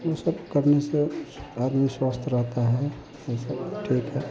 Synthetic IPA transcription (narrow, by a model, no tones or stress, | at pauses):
wosəbkəɾnesead̪miswast̪ʰɾəɦt̪aɦɛɛ | jesəbʈʰiːkɦɛ